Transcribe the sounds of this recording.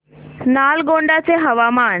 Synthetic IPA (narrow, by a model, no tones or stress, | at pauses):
nalɡoɳɖat͡seɦɐʋamaːɳ